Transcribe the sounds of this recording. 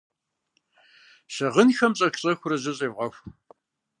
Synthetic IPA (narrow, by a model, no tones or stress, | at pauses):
ɕɐʁənxɐmɕʼɐɬɕʼɐxʷʊɾɐʑɐɕʼeːvʁɐxʷ